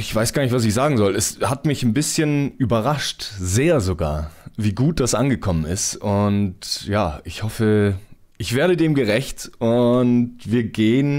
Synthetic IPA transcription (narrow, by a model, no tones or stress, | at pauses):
ɪçv̥aɪsɡ̥aːɐnɪçtv̥as̬ɪçz̥aːɡŋ̩zɔlɛshatmɪçnbɪsçənʔyːbɐʁaʃtzeːɐzoɡa̰ːɐviːɡuːt̚d̥asʔanɡəkʰɔmənɪ̰stʊntjaːɪçhɔfə | ɪçv̥eːɐɾədeːmɡəʁ̞ɛçtʊntv̥iːɐɡeːən